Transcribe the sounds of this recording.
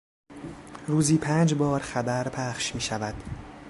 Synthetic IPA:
ɾuːziːpʰæːnd͡ʒbɒːɾxæbæɾpʰæχʃmiːʃævæd̪̥

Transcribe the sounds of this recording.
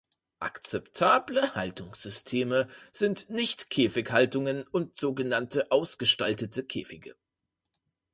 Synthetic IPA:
ʔa̰kt͡sɛptʰaːbləhaltʊŋsz̥ʏstʰeːməz̥ɪntnɪçtkʰeːfɪkhaltʊŋənʊntz̥oːɡənantʰəʔaʊsɡ̥əʃtaltətʰəkʰḛːfɪɡə̰

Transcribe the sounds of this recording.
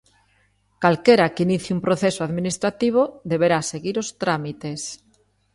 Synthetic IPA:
kalkeɾakiniθiumpɾoθesoaðminist̪ɾat̪iβ̞oðeβ̞eɾaseɣiɾost̪ɾamit̪es

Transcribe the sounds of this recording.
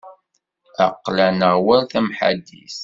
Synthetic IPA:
æqːlænəʁwæɾθæmħa̰d̪ːḭθ

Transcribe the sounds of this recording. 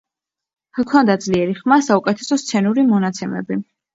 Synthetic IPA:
kʰɔnd̪ad̪zliɛɾiχmasaukʼɛt̪ʰɛ̥sɔst̪sʰɛnuɾimɔnat̪sʰɛmɛ̰bi

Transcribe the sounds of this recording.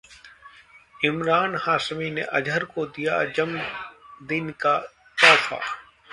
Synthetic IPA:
ɪmɾaːnhaːsmineʔɐd͡ʒʱəɾkod̪ijad͡ʒɐmd̪ɪnka | t̪ɔːkʰa̰

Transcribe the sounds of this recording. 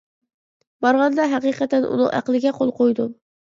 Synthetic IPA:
bɑɾʁɑnd̪ɑɦæqiqʰɑt̪ɛnʔṵnɨ̰ŋʔæ̰qlˠɨɡʲɛqʰolˠqʰojd̪u

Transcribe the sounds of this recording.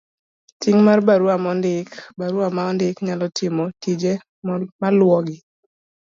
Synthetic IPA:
tiŋmarbaɾuamɔndɪkbaɾuamaɔndɪkɲalɔtɪmɔtid͡ʒe | malwɔɡɪ

